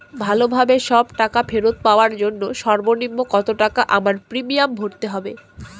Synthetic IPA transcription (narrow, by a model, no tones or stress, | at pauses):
bʱalobʱabeʃɔbʈakafeɾot̪̚paoaɾd͡ʑonːoʃɔɾbonimːokɔt̪oʈakaʔamaɾpɾimijambʱoʈt̪eɦɔbe